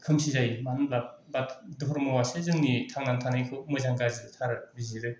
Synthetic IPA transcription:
kʰɯmsizajmanlap̚batdɔɦɾmɯwasezɯŋnitʰaŋnantʰanajkʰɯwmɯzaŋɡazitʰaɾɯbiziɾɯj

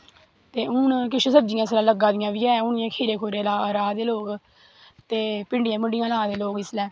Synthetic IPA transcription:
t̪eːʊnkɪʃesəbd͡ʒɪjãːslãːləɡːãːd̪ɪjãːʋiːɛːʊnɪjãːkʰeːɾeːkʰoːɾeːlaːɾaːd̪eːloːk | t̪eːpɪɳɖɪjãːməɳɖɪjãːlaːd̪eːloːɡɪslɛː

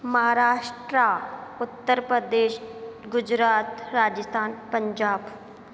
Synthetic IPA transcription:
məɦaːɾaːʃʈɾaʊt̪ːəɾpɾəd̪eːʃɡʊd͡ʒɾaːt̪ɾaːd͡ʒəst̪ʰaːnpə̃ɲd͡ʒaːb

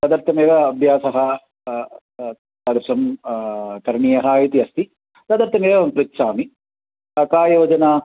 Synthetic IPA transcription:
t̪ɐd̪ɐɾt̪ʰːɐmeːʋɐɐbʱjaːsɐɦɐ | ɐd̪ɐpsɐm | k̪ɐɾɳiːjɐɦɐːjit̪iɐst̪i | t̪ɐd̪ɐɾt̪ʰːɐmeːʋmpɾit̪ʃaːmi | ɐkaːjɐːɐd͡ʒɐnaː

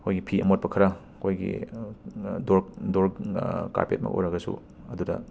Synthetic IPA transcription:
kʰojɡipʰiʔɐmot̚pɐkʰɐɾa | kʰojɡḭ | doɾdoɾka̰ɾpet̚mɐ̰kʔo̰ɾɐɡɐsṵ | ɐdudɐ̰

